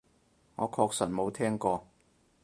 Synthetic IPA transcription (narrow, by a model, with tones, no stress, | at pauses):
ŋɔː˨˧kʰɔː˧ksɐ˨˩nmo˨˧wt̪ʰɛː˥ŋkɔː˧